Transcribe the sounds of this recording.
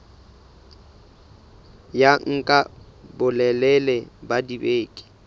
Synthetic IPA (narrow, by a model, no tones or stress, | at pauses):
jaŋ̩kʼa | bʊlɛlɛlɛbadibeːkʼɪ̥